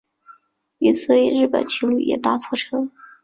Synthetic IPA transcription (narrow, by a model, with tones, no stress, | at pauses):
i˧˩t͡sʰɹ̩˥˩i˨˩ɻɻ̩˥˩pə̰˨˩nt͡ɕʰi˧˥ŋly̰˧˩jɛ̰˨˩t̪a˥˩t͡sʰwɔ˥˩ʈ͡ʂʰɤ˥